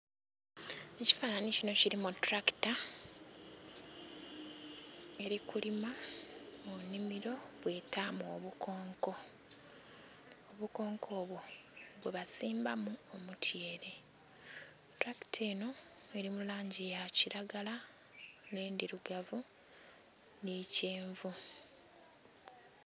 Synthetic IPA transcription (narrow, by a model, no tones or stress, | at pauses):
e̞ci̥fananicino̞ciɾimutɾaki̥ta | e̞ɾikulimamunːimiɾo̞βwe̞ːtamoβukʰo̞ːŋko̞ | oβuko̞ːŋkʰo̞ːβwo̞ | βweβasiːmbamuomutʰjeːɾe̞ | tɾaki̥teːno̞e̞ɾimulaːɲɟijaciɾaɡala | neːndiɾuɡavu | niceːɱvu